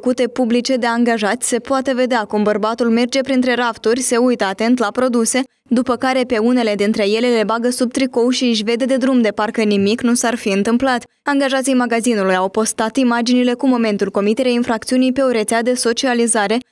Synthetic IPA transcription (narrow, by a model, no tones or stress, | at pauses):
əkut̪e̞publit͡ʃe̞d̪e̞aŋɡaʒat̪ʲse̞poat̪e̞ve̞d̪eakumbərbat̪ulme̞rd͡ʒe̞pɾint̪ɾe̞ɾapt̪urʲse̞ujt̪əat̪e̞nt̪lapɾo̞d̪use̞ | d̪upəkaɾe̞pe̞une̞le̞d̪int̪ɾe̞je̞le̞le̞baɡəsub̚t̪ɾiko̞wʃiʃ̬ve̞d̪e̞d̪e̞d̪ɾumd̪e̞parkənimiknusarfiɨnt̪ɨmplat̪ʲ | aŋɡaʒat̪sijmaɡazinulujawpo̞st̪at̪imad͡ʒinile̞kumo̞me̞nt̪ulko̞mit̪e̞ɾeainfɾak̚t̪siunijpe̞o̞ɾe̞t̪sead̪e̞so̞t͡ʃializaɾe̞